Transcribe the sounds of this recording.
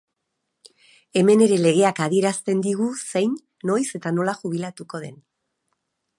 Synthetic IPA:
e̞me̞ne̞ɾe̞le̞ɣe̞akaðie̞ɾast̪e̞nd̪iɣ̞usejnː | o̞jse̞t̪ano̞laxuβ̞ilat̪uko̞ð̞e̞̰n

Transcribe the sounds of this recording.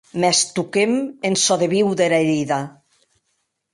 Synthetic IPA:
mɛst̪ukemensɔðeβiwðeɾaeɾiða

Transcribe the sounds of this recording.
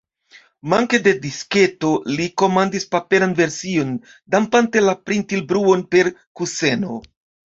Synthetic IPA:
maŋke̞de̞diske̞to̞liko̞mandispape̞ɾanve̞ɾsio̞n | dampante̞lapɾintilbɾuo̞npe̞ɾkuse̞no̞̰

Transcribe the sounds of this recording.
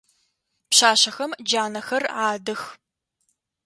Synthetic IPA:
pɕaːɕɐxɐmd͡ʒaːnɐxɐraːdɨx

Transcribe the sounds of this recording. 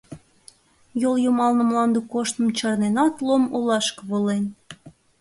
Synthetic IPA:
joljomɑlnə̆mlɑnd̪ukoʃt̪ə̆mt͡ɕɑrnenɑt̪lˠomolɑʃkβolen

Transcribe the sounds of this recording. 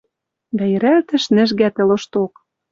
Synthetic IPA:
d̪æjɘ̆ɾælt̪ɘ̆ʃnɘ̆ʒɣæt̪ɘ̆lŏʃt̪ok

